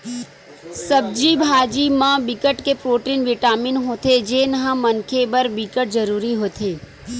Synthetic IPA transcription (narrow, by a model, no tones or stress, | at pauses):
sɐb̚d͡ʒibʱaːd͡ʒimãbɪkəʈkepɾoːʈiːnʋɪʈaːmɪnɦoːt̪ed͡ʒeːnɐɦãmɐnkʰebɐɾbɪkəʈ̚zɐɾuːɾiɦoːt̪ʰeː